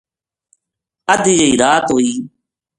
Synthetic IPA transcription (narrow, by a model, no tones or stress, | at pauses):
əd̪ijəiːɾaːt̪ɦoːiː